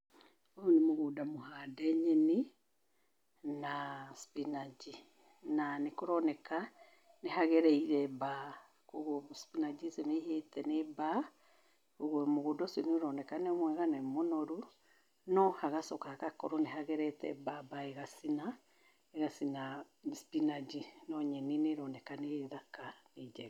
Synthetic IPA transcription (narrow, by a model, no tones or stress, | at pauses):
ounemoɣudamohaːdɛɲɛni | naspinad͡ʒi | nanekɔɾɔnɛka | neɦaɣɛɾɛiɾɛba | koɣospinad͡ʒisemeihetɛneba | koɣomoɣodɔsenoɾɔnɛkanɛɔmwɛɣanɛmonɔɾu | nɔhaɣasɔkahakakɔɾɔneɦaɣɛɾɛtɛ̰babaeɣasina | eɣasina | spinad͡ʒinɔɲɛneneɾɔnɛkaneðakaneid͡ʒɛ